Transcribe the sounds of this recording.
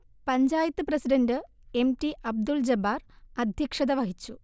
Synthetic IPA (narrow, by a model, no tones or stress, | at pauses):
pɐɲd͡ʑaːjɐt̪ːɨprɐsidɐndɨ | e̞mtiʔɐb̚d̪uld͡ʑɐbaːrɐd̪ʱjɐkʂɐðɐʋɐɦit͡ɕːu